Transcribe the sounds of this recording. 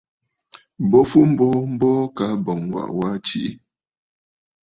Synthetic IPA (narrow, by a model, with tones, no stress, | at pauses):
bɔ˦fu˦m̩˦bɔ˦m̩˦bɔ˦ka˨˦bɔ˨ŋwa̰˨ʔwa˦t͡ʃi˦ʔi˦